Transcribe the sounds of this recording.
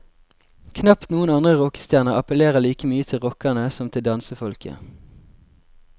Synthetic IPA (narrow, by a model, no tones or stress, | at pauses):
kʰnɑpt̪nuːənɑnd̪ʁəʁɔkə̥st̪jæːʁnəʁɑpəleːʁəliːkəmyːət̪ʰɪlʁɔkənəsɔmt̪ʰɪld̪ɑnsəfɔlkʰə̰